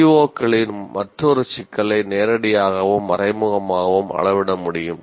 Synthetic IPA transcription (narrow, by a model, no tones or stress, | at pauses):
ʋoːkːɐɭɪnmɐʈrɔɾɯt͡ʃɪkːɐɭɐɪneːɾɐɽɪjaːɣɐʋɯmːɐɾɐɪmʊɣɐmaːɣɐʋɯmɐ̰ɭɐʋɪɽɐmʊɽɪjɯm